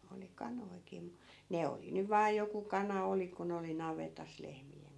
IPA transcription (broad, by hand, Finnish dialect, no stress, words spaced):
oli kɑnoi̯ki mu ne oli nyʋ ʋɑː joku kɑnɑ oli kun oli nɑʋetɑs lehmien